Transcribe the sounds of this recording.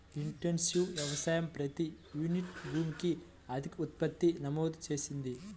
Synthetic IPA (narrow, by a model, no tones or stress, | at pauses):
iɳʈensjuːʋjɐʋɐsaːjɐmpɾɐt̪i | juːniʈbuːmki | ɐd̪ʱikɐut̪̚pɐt̪ːinɐmɔːd̪t͡ʃe̞ːsind̪i